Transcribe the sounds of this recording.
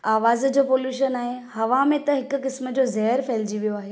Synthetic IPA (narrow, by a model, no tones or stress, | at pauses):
aːʋaːzd͡ʑoːpoːljuːʃənaːɦehɐʋamẽt̪ɐɦɪkʊ̆kɪsmə̆d͡ʑoːzɐɦɾfɛːld͡ʑiʋijoaːɦeː